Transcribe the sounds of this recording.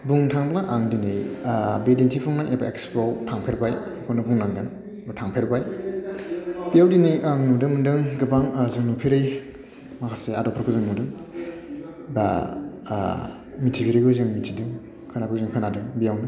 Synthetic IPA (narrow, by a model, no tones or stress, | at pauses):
buŋtʰaŋblaʔaŋdinɯjbedintʰipʰɔŋnajʔebaekspowtʰaŋpʰeɾbajkʰonɯbuŋnaŋɡɯn | bɯtʰaŋpʰeɾbaj | b̥ijawdinɯjaŋnudɯmɯndɯŋɡɯbaŋzɯŋnupʰiɾɯj | makʰaseadɔpʰɯɾkʰɯzɯŋnudɯŋ | ba̰ | mitʰipʰiɾɯjɡɯzɯŋmitʰidɯŋ | kʰɯnapʰɯzɯŋkʰɯnadɯŋbijawnɯ